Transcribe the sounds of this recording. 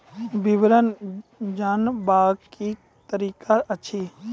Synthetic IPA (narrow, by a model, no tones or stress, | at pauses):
biʋɾənd͡ʒaːnbaːki | t̪əɾiːkaɐt͡ʃʰe